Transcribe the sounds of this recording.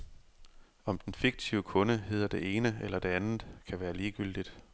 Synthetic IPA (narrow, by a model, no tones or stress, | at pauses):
ɒ̽md̥enfiɡ̥̚t͡sʰiʊəkʰɔ̽nəɦe̝ð̰ˠɐd̥e̝ʔe̝ːnəelʔɐd̥e̝ænð̩ˠkʰæʋæːɐliːɡ̥yl̰d̥id̥